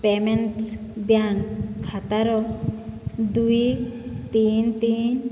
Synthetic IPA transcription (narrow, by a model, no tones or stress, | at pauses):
pemenʈsbjankʰat̪aɾɔ | d̪ujt̪int̪in